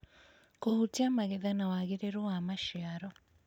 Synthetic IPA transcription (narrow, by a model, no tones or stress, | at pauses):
kohutiamaɣɛðanawaɣiɾeɾuwamaʃiaɾɔ